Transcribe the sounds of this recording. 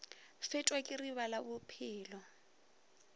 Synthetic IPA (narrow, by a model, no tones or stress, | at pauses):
fɪt͡ʃʼwakʼɪriβalabʊpʰɪːlɔ